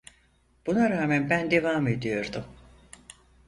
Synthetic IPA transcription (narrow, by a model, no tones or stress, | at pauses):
b̥unaɾaːmænbænd̪e̞vaːme̞d̪ijo̞ɾd̪um